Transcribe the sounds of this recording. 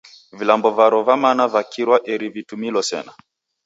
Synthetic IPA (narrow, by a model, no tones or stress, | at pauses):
vilambɔvaɾɔvamanavakʰiɾwaʔɛɾivitumilɔsɛ̰na